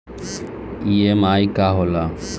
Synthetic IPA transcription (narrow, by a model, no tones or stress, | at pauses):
iemaːikaɦola